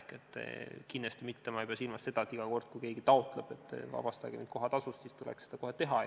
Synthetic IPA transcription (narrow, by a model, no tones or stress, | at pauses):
ket̪ˑːḛkind̪est̪imit̪ːemɑejpeɑsilmɑsse̞d̪ɑet̪ːˑiɡ̥ɑko̞rd̪̥kujke̞ːɡ̥it̪ɑot̪ˑleb̥e̞t̪ːˑvɑ̰b̥ɑst̪ɑ̰ɡ̥emind̪ko̞ɦɑt̪ɑsust̪siːst̪ulḛksed̪ɑko̞het̪e̞ɦɑ